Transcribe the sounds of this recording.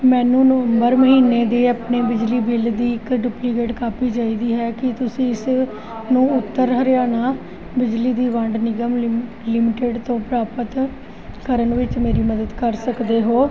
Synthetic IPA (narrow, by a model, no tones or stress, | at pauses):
mɛ̃ːnũːnəʋəmbəɾməɦiːnːeːd̪eːaːpneːbɪd͡ʒliːbɪld̪iːɪkɖʊplikeːʈkaːpiːd͡ʒaːiːd̪iːɦɛːkɪt̪ʊsĩːɪs | nũːʊt̪ːəɾɦəɾjaːnaː | bɪd͡ʒliːd̪iːʋəɳɖnɪɡəm | lɪmɪʈeːɖt̪õːpɾaːpət̪ | kəɾənʋɪt͡ʃmeːɾiːməd̪əd̪kəɾsəkd̪eːɦoː